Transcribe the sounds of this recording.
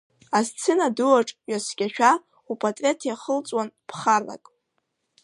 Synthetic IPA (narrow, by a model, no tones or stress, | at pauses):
azt͡sʰɨnaduaʈ͡ʂʼɥasɡʲʼaʃᶣa | upʼatʼrʲetʰjaχəlt͡sʼwanpʰχarla̰kʼ